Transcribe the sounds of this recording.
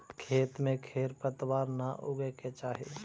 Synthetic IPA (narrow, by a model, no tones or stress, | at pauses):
kʰeːt̪mẽkʰeːɾpət̪waːɾnaʔʊɡeket͡ʃaːɦḭ